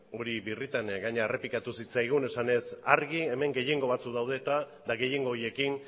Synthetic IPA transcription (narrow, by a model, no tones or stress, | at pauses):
o̞ɾiβirit̪aŋɡaɲeaere̞pikat̪usit͡sajɣ̞une̞sane̞saɾɣie̞me̞ŋɡe̞je̞ŋɡo̞β̞at͡sukðawð̞e̞ːt̪a | ðaɣe̞je̞ŋɡo̞ːje̞kin